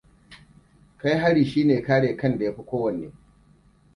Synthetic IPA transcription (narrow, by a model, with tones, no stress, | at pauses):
ka˦jɦa˦ɽiː˨ʃiː˦neː˨kaː˦ɽeː˨kɐ˦nda˨ja˦ɸi˦kʷoː˦wɐ˨nːeː˦